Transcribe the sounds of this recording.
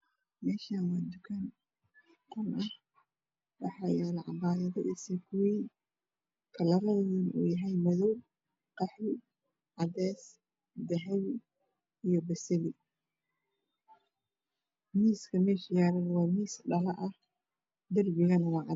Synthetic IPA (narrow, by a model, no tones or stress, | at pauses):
mɛːʃanwaːd̪ʊkʰɐn | kʰɐnʔɐh | wɑ̰ħɑːjɛːlʕɑ̰baːðɐðɔʔisɛkʰʊwiː | kʰɐlɐɾɐððɪnʔṵːjɐɦɛjmɐðɔw | qɑħɪ | ʕɑd̪ɛːs | d̪ɐɦɛw | ijɞbɐsɐβɪ | miːskʰɐmɛːʃjaːɾɐnwɑːmiːsɖɐlɐʔɐh | d̪ɐlbɪɣɐnwɑːʕɑ